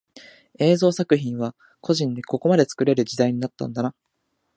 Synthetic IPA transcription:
e̞ːzo̞ːsakɯ̟çĩɰ̃βa | kʰo̞ʑĩnd̪e̞ko̞ko̞mad̪e̞t͡sɨ̥kɯ̟ɾe̞ɾɯ̟d͡ʑid̪aiɲ̟inat̪ːã̰nd̪ana

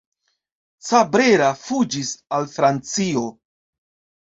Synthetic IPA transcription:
t͡sabɾeɾafud͡ʒisalfɾant͡sio̞

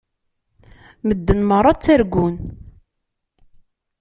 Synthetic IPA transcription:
məd̪ːənmərˤɑt͡sːæɾɡun

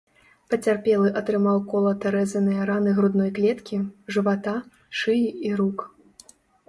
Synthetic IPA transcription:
pɐt͡sʲarpʲɛlˠɨʔɐt̪ɾɨmawkɔlˠɐt̪ɛɾɛzɐnɨjɐɾanɨɣɾud̪nɔjklʲɛt̪kʲiʐɨvat̪a | ʂɨjiiɾuk

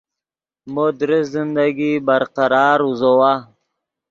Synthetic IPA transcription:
mod̪ɾɪszɪnd̪aɡibaɾqaɾɑːɾuzowa

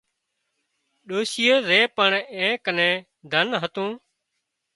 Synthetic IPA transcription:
ɗoːsɪjəɾeːpəɳẽːkənẽː | d̪ʱənɦət̪ũː

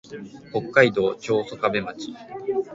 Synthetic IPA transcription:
ho̞kːaid̪o̞ːt͡ɕo̞ːso̞kabe̞mat͡ɕi̥

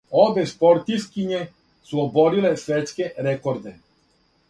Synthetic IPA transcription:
obespo̞ɾt̪iskiɲe | suobo̞ɾile̞sʋet̪ske̞ɾekoɾd̪e

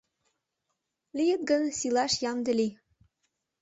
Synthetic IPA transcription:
lijə̆t̪̚ɡɤ̆nsilɑʃjɑmd̪ɘ̆li

